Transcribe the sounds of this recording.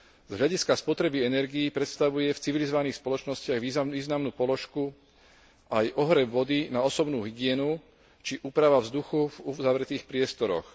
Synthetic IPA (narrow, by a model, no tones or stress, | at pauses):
z̥ɦʎaɟiskaspɔt̪ɾɛbiɛnɛɾɡiːpɾɛt̪st̪aʋujɛft͡siʋilizɔʋaniːxspɔlɔt͡ʃnɔscɪaɣʋiːzaiːznamnuːpɔlɔʃku | ʔajʔɔɦɾɛbʋɔd̪inaɔsɔbnuːɦiɡɪɛnu | t͡ʃiʔuːpɾaʋavzd̪uxuvuzaʋɾɛt̪iːxpɾɪɛst̪ɔɾɔ̰x